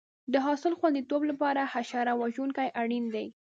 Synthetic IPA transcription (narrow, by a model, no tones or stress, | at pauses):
d̪əɦɑsɪlxwand̪it̪oblapɑɾahaʃɑɾawaʒunkajʔaɽind̪aj